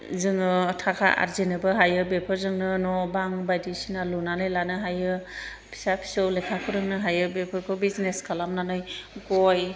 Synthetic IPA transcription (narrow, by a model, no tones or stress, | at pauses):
zɯŋɯtʰakʰa̰ʔa̰ɾzenɯbɯɦajɯbepʰɯɾzɯŋnɯnɔbaŋbajdisinalunanɯjlanɯɦajɯ | pʰi̥sapʰi̥sowlekʰakʰɯɾɯŋnɯɦajɯbepʰɯɾkʰɯbizneskʰalamnanɯjɡɔj